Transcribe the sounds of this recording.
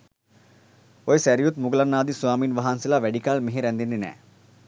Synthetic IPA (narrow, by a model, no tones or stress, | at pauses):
oesɛɾijut̪mʊɡlanːaːd̪isʊaːmiːnʋɐɦaːnsilaʋɛɖikalmɪɦeɾɛ̃nd̪ind̪inɛ̰ː